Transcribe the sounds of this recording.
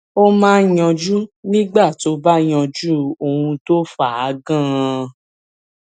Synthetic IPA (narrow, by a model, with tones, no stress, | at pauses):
o˦mãː˦jɔ̃˧d͡ʒu˦nĩ˦ɡ͡ba˦˨to˧˦ba˦j̃ɔ̃˧d͡ʒu˦o˧hũ˧to˦fa˨a˨˦ɡã˦˧